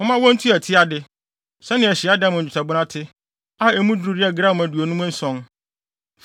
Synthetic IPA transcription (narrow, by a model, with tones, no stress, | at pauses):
ʊ̃˦mã˦wɔ̃˦n̩˦tʰu˦æ˨tʰɪ˦a˦dɪ˦ | sɛ˦nɪ̃˨ɛ˨ɕɪ˨a˦dã˦mʊ̃˨u˨tʰa˨bʊ˦nã˦tʰɪ˦ | a˦ɛ˨mũ˦dɾu˨ɾɪ˦ɛ˦ɡɾa˦m˨æ˨du˨o˨nũ˦mã˦n̩˦sɔ̃˦n